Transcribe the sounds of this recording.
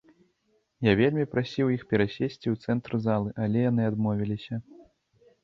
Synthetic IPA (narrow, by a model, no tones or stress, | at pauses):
javʲelʲmʲipɾasʲiwjixpʲɛɾasʲesʲt͡sʲiwt̪sɛnt̪ɾɨzalˠɨʔalʲɛjan̪ɨad̪mɔvʲilʲisʲɐ